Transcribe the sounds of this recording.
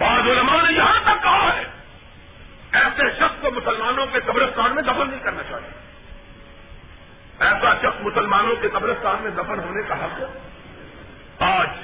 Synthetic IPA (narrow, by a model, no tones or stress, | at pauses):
baːd̪ʊləmanejɐɦãt̪ɐkːɐɦaɦɛː | ɛːseʃɐxskomʊsəlmaːnõkekɐbɾəskaːɾmẽd̪ɐfənːɐɦĩkɐɾnat͡ʃaːɦijḛ | ɛːsaʃɐksmʊsəlmaːnõkekɐbɾəskaːɾmẽd̪ɐfənɦoːnekaɦɐk | aːd͡ʒ